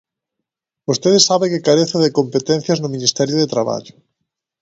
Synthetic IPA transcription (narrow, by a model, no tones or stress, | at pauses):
bost̪eðesaβekɪkaɾeθeðekompet̪ɛn̟θjɐznʊminist̪ɛɾjoðet̪ɾaβa̰ʎʊ